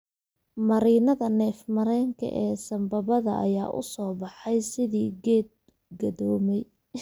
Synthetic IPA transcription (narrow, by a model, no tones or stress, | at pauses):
mɐɾiːnɐðɐnɛːfmɐɾɛːŋkʰɐ̰ʔɛːsɐmbɐβɐðɐ̰ʔɐ̰jaːʔʊ̰sɔːbɑħɛjsɪðiːɡɛːd̪̚ | ɡɐðɔːmɛj